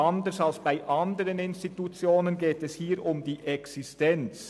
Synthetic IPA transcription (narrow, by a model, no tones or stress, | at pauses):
andəsalsb̥aɪʔɑndəʁənɪnstitut͡sjoːnənɡeːtɛshiːɾʊmdiːʔɛksɪstɛnt͡s